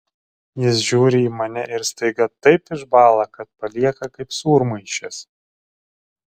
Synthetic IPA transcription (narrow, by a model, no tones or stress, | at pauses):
jɪs̬ʒʲuːɾʲɪiːmɐnʲɛʔɪɾst̪ɐɪɡɐt̪ɐɪpɪʃbɑːlˠɐkɐt̪̚pɐlʲiɛkɐkɐɪpsuːɾmɐɪʃʲɛs